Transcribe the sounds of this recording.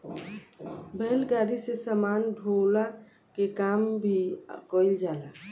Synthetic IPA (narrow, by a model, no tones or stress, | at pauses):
bɛlɡaːɾisesamaːnɖʱola | kekaːmbʱikɔːɪld͡ʒaːlaː